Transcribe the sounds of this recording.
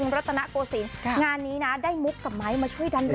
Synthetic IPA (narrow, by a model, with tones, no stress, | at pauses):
ŋɾa˦˥t̪ʰːa˧na˦˥koː˧siː˨˩n˧ŋaː˧nːiː˦˥na˦˥daː˥˩jmu˦˥kːa˨˩p̚ma˦˥jmaː˧t͡ɕʰu˥˩əjda˧n